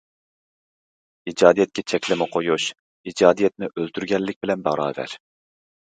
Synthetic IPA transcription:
id͡ʒɑːd̪ijɛt̪̚kʲʰɛt͡ʃʰɛkʲlɪmɪqʰojuʃ | id͡ʒɑːd̪ijɛt̪̚nɪʔølt̪ʰyɾɡʲɛlːɪk̚ʲbɪlɛnbɑɾɑ̰ːvæ̰ɾ

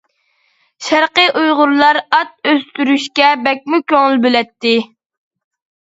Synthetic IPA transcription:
ʃæɾqəʔujʁʊɾlˠɑɾɑt̪̚øst̪yɾyʃkʲɛbɛk̚ʲmukʲøŋɪlˠbølɛt̪ʰːɪ

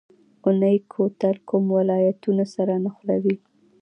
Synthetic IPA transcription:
ʊnəjkʰot̪alkʊmwɪlɑjat̪unosaɾanaxlawi

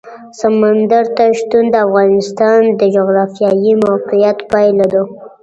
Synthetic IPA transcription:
samand̪aɾt̪aʃt̪und̪əafɣɑnɪst̪ɑnd̪əd͡ʒoɣɾɑfijɑjimawqijat̪pajlad̪u

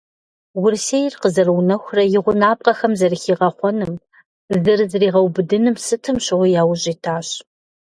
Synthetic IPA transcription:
wʊrsejrqəzɐrwnɐxʷrɐjɪʁʷʊnaːp̚qɐxɐmzɐrxiːʁɐχʷɔnɨm | zɨrzriːʁɐwbɨdɨnɨmsɨtʰɨmɕɪʁʷɔjaːwʊʑʼiːtʰaːɕ

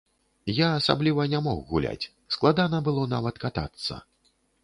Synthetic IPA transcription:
jaːsa̰blʲivɐnʲamɔxɣulʲa̰t͡sʲ | sklˠad̪anɐbɨlˠɔnavɐt̪kat̪a̰t̪sːɐ̰

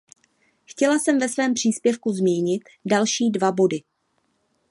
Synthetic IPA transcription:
xcɛlasɛmvɛsvɛːmpr̝̥iːspjɛfkuzmiːɲɪt̪ | dalʃiːdvabo̞dɪ

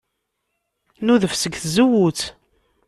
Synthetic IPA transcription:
nuðəfsəɡθzəwut͡s

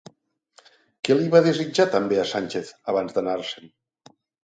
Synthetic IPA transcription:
kɛliβað̞ezid͡ʒat̪əmbeasanʲt͡ʃeθəβ̞anzd̪ənaɾsən

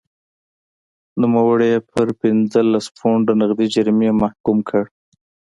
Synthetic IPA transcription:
numawəɽepʰəɾpɪnd͡zəlaspoɳɖənɪɣd̪id͡ʒaɾmemahkumkʰəɽ

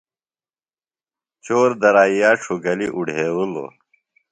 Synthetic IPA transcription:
t͡ɕoːɾd̪ɐɾaːijaːʈ͡ʂʰuɡɐliʔuɽʱeːwulo̰

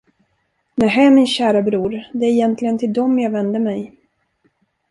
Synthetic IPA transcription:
næɦæːmɪnɕæːɾabɾuːɾd̪ɛæɾɪjɛnt̪ʰlɪɡənt̪ʰɪld̪ɔmjɑːɡvɛnd̪əmɛj

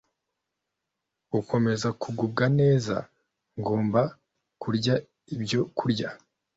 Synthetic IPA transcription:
uko̞me̞zakuɡub̚ɡane̞ːza̰ | ŋɡo̞ːmba | kuɾɟa | ibɟo̞kʰuɾɟa

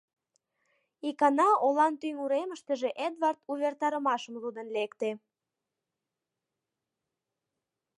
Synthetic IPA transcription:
ikɑnɑolɑnt̪yŋuɾeməʃt̪əʒeʔed̪vɑrt̪uβert̪ɑɾəmɑʃəmlud̪ə̆nlekt̪e

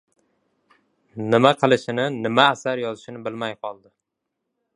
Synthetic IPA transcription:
nɪmaqʰɨlˠɪʃɪnɪnɪmaːsaɾjɒzɪʃɪnɪbɪlmajqʰɒlˠd̪ɪ

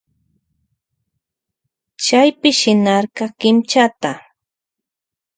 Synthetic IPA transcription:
t͡ʃajpɪʃɪnɑɾɢɑkɪmt͡ʃat̪a

